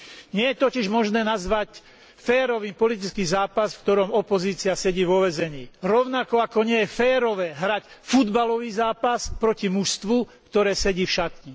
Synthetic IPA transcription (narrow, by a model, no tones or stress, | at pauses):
ɲɪɛjɛt̪ɔciʒmɔʒnɛːnazʋac | fɛːɾɔʋiːpɔlit̪it͡skiːzaːpasfkt̪ɔɾɔmɔpɔziːt͡siasɛɟiːʋɔʋɛzɛɲiːɾɔʊnakɔakɔɲɪɛjɛfɛːɾɔʋɛːɦɾacfud̪balɔʋiːzaːpaspɾɔcimuʃst̪ʋukt̪ɔɾɛːsɛɟiːfʃat̪ɲi